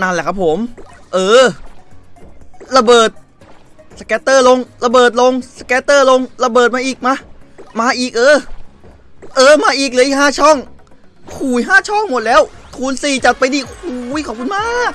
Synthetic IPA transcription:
na˧˩nlɛː˧˩kʰa˦˥pʰo˩˦mʔɤː˧ | ɾa˧bɤː˨˩t̪̚ | skɛː˦˥t̪ːɤː˥˩lo˧ŋla˧bɤː˨˩t̪̚lo˧ŋsa˧kɛː˧˥t̪ːɤː˥˩lo˧ŋɾa˧bɤː˨˩t̪̚maː˧ʔiː˨˩k̚ma˦˧˥maː˧ʔiː˨˩k̚ʔɤː˧ | ʔɤː˧maː˧ʔiː˨˩k̚lɯː˦ʔiː˨k̚ɦaː˥˩t͡ɕʰɔ˥˩ŋ | kʰuː˨˩jɦaː˥˩t͡ɕʰɔ˥˩ŋmo˨˩t̪̚lɛː˦˥wkʰuː˨˩nsiː˨˩t͡ɕa˨˩t̪̚pa˧jdiː˧˩kʰuː˨˩˦jkʰɔː˨˩p̚kʰu˧nmaː˥˩k̚

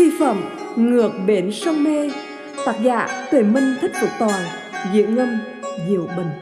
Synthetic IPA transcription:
i˧fə̰˧˨m | ŋɨ˨˩ək̚ɓe˨˦nsə˧wŋ͡mme˧ | t̪aː˨˦˥t̚za̰ː˧˨t̪e˨˩mï˧ŋ̟t̪ʰï˦˥k̟̚ku˧˩ət̪wɔː˨˩n | zḭ˧˨əŋŋə˧m | zḭ˧˩˨əwɓə˨˩ŋ̟

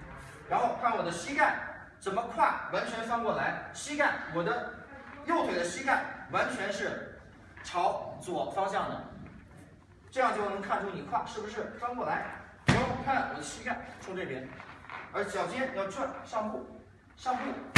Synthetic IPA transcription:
ɻa˧˥nxo˥˧ʊkʰa˥˩wɔ˨˩d̪ə˦ɕi˥ka˥˩n | t͡sə˨˩nmə˦kʰwa̰˥˩wa˧˥nt͡ɕʰɥɛ˧˥nfɑ˥ŋkwɔ˥˩la˧˥ɪɕi˥ka˥˩nwɔ˨˩d̪ə˦jo˥˩ʊt̪we˨˩ɪd̪ə˦ɕi˥ka˥˩nwa˧˥nt͡ɕʰɥɛ˧˥nʂɻ̩˥˩ | ʈ͡ʂʰɑ˧˥ʊt͡swɔ˨˩fɑ˥ŋɕjɑ˥˩ŋnə̰˩ | ʈ͡ʂɤ˥˧jɑ˥˧ŋt͡ɕjo˥˩ʊnɤ˧˥ŋkʰa˥˧nʈ͡ʂʰu˥ni˨˩kʰwa̰˥˩ʂɻ̩˥˩bu˩ʂɻ̩˥˩fɑ˥ŋkwɔ˥˩la˧˥ɪɻa˧˥xo˥˩kʰa˥˩nwɔ̰˨˩d̪ə˦ɕi˥ka˥˩nʈ͡ʂʰu˥ʈ͡ʂɤ˥˩pjɛ˥nə˞˧˥˩ɕjɑ˨˩ʊt͡ɕɛ˥n˨jɑ˥˧ʊʈ͡ʂʰwa˥˧nʂɑ˥˧ŋpu˥˩ | ʂɑ˥˧ŋpu˥˩

